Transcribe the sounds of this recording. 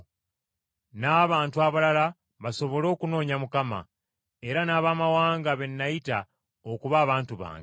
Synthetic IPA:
naːβaːntuaβalala | βaso̞βo̞lo̞ːkuno̞ːɲamukama̰ | e̞ɾanaːβamawaːŋɡaβe̞nːajita | okuβaːβaːntuβa̰ːŋɡe

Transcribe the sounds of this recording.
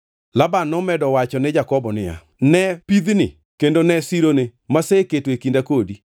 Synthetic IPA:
labanːɔmɛdɔwat͡ʃɔnɪd͡ʒakɔbɔnɪja̰ | nɛpid̪nɪ | kendonɛsiɾonemaseketwekindakodi

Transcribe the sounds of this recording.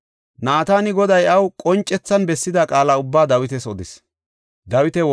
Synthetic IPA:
naːt̪aːnɪɡɔd̪ɐjɐwkʼɔnt͡ʃʼːɛt͡sːɐnbɛsːɪd̪akʼaːlaʊbːaːd̪ɐwɪt̪ɛsɔd̪ɪs | d̪ɐwɪt̪ɛ

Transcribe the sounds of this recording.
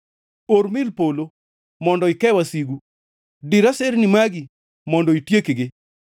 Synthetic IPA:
oɾmɪlpolo | mɔndɔɪkɛwasiɡu | dɪɾasɛlnimaɡɪ | mɔndɔitjekɡɪ

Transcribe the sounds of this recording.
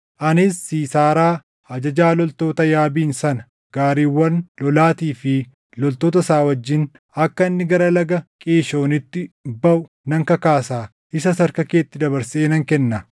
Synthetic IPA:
ʔɐnɪsːiːsaːɾaː | hɐd͡ʒɐd͡ʒaːlɔlt̪o̞ːt̪ɐjaːbiːnsɐnɐ̥ | ɡ̥aːɾiːwːɐnlɔlaːt̪iːfɪ | lɔlt̪oːt̪ɐsaːwɐd͡ʒːɪn | ɐkːɐɪnːɪɡɐɾɐlɐɡɐkʼeːʃo̞ːnɪt̪ːɪbɐʔʊ | nɐŋkɐkaːsaː | ɪsɐsɐɾkɐkeːt̪ːɪd̪ɐbɐɾseːnɐŋkɛnːɐ

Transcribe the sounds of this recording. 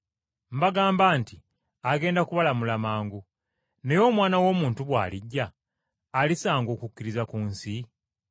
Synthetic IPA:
m̩baɡaːmbaːnti | aɡe̞ːndakuβalamulamaːŋɡu | ne̞jo̞ːmwaːnawo̞ːmuːntuβwa̰ːliɟːaː | lisaːŋɡo̞ːkukːiɾizakuːnsi

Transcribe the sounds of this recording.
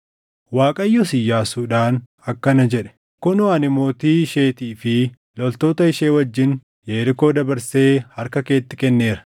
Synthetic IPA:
waːkʼɐjːɔsɪjːaːsuːᶑaːn | ɐkːɐnɐd͡ʒɛᶑɛ̥ | kʊnʊɐnɪmo̞ːt̪iːɪʃe̞ːt̪iːfɪ | lɔlt̪o̞ːt̪ɐɪʃe̞ːwɐd͡ʒːɪn | jeːɾɪko̞ːd̪ɐbɐɾse̞ːhɐɾkɐke̞ːt̪ːɪkɛnːe̞ːɾɐ̥

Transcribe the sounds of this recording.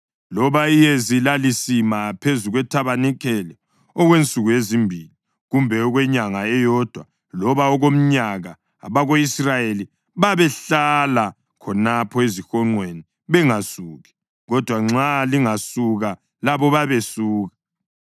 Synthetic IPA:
lɔβaijezilalisimapʰezuɣwɛtʰaβanikʰɛlɛ | ɔɣwent͡sʼuɣuezimbʱili | ɣumbʱɛɔɣwɛɲaŋaɛjɔd̥ʱwa | lɔβaɔɣom̩ɲaɣa | a̰βaɣoisrajeli | βaβɛɬala | kʰɔnapʰɔezixɔŋ͡ǃweni | βɛŋasuːɣi | ɣɔd̥ʱwaŋ͡ǁaliŋasuɣa | laβɔβaβesuːɣḁ

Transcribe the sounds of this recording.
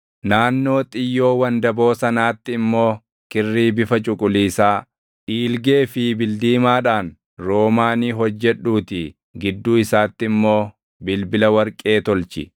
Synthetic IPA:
naːnːo̞ːt̪ʼɪjːo̞ːwɐnd̪ɐbo̞ːsɐnaːt̪ːɪɪmːo̞ː | kɪrːiːbɪfɐt͡ʃʼʊkʼʊliːsaː | ᶑiːlɡe̞ːfɪbɪld̪iːmaːᶑaːn | ɾoːmaːniːɦɔd͡ʒːɛᶑuːt̪ɪ | ɡɪd̪ːuːɪsaːt̪ːɪɪmːo̞ː | bɪlbɪlɐwɐɾkʼe̞ːt̪ɔlt͡ʃɪ̰

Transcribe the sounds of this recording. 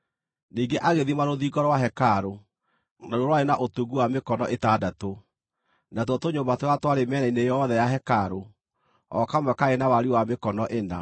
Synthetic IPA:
niːŋɡeʔaɣeðimaɾoðiːɡɔɾɔwaɦɛkaɾo | naɾoɾwaɾenaʔotuɡuwamekɔnɔʔetadato | natwɔtoɲombatoatwaɾemɛɾainejɔːðɛjaɦɛkaɾo | ɔ̰kamwɛkaenawaɾiwamekɔnɔʔena̰

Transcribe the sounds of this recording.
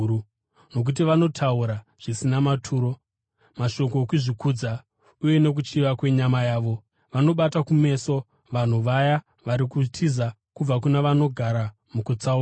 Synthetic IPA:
no̞k̬ut̬iʋano̞tʰauɾaʐ̥isinamatʰuːɾo̞ | maʃo̞k̬o̞kuʐikud͡za | uje̞ne̞k̬ut͡ʃiʋakwe̞ɲamajaːʋo̞ | ʋano̞ɓatakume̞so̞ | ʋan̤uʋaja | ʋaɾikutʰiza | kub͡vak̬unaʋano̞ɡʱaɾa | mukut͡sau

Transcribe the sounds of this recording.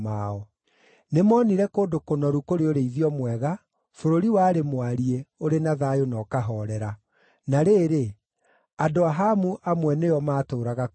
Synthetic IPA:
maɔ | nemɔːniɾɛkoːdokonɔɾukoɾeoɾeiðiɔmwɛɣa | foɾoɾiwaːɾemwaɾieoɾenaðajonɔːkaɦɔɾɛɾa | naɾeːɾe | adoaɦamuʔamwɛnejɔmaːtoːɾaɣa

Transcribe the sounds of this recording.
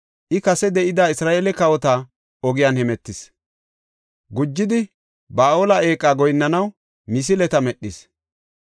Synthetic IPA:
ʔɪkɐsɛd̪ɛʔɪd̪aːɪsɾaːʔeːlɛkɐwɔt̪a | ɔɡɪjanhɛmɛt̪ːɪs | ɡʊd͡ʒːɪd̪ɪ | baːʔoːlɐʔe̞ːkʼːaːɡɔjnːɐnɐw | mɪs̬ɪlɛt̪ɐmɛɗːɪs

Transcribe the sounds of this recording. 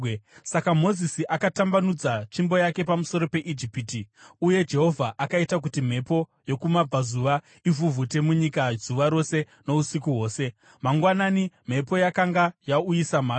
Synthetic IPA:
sakamo̞zisiʔakatambanud͡zat͡ʃimbo̞jake̞pamuso̞ɾo̞pe̞ʔid͡ʒipitiuje̞d͡ʒe̞ɦo̞vʱaʔakaitak̬utim̤e̞po̞jo̞kumab͡vazuʋa | ivuvute̞muɲikazuʋaɾo̞se̞ | no̞usikuɦwo̞ːse̞ | maŋɡwananim̤e̞po̞jakaŋɡajaujisam̤aː

